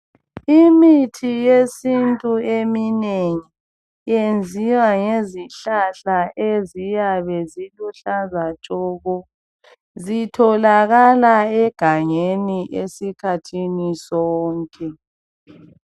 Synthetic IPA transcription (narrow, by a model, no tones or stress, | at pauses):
imitʰijesintʼuemineŋi | jend͡zʱiwaŋeziɬaɬaʔezijaβɛziluɬazat͡ʃʼɔɣɔ | zitʰɔlaɣalaɛɡ̥ʱaŋeniʔesikʰatʰinisɔːŋkʼɛ